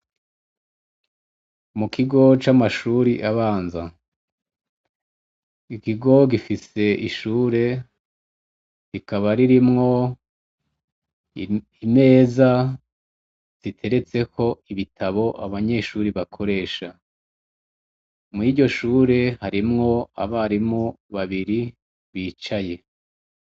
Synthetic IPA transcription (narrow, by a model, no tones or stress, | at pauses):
mukʰiɡo̞t͡ʃamaʃuːɾiʔaβaːnza | ikiɡo̞ɡifise̞ʔiʃuːɾe̞ | ɾikaβaɾiɾimŋo̞ | ine̞ːza | z̥itʰe̞ɾe̞t͡se̞kʰo̞iβitʰaβo̞ʔaβaɲe̞ʃuːɾiβakʰo̞ɾe̞ːʃa | mwiɟɟo̞ʃuːɾe̞haɾimŋo̞a̰βaɾimu | βaβiɾi | βiːt͡ʃaje̞